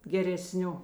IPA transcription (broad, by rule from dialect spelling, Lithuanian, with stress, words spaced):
ɡʲɛrʲɛˈsʲnʲʊ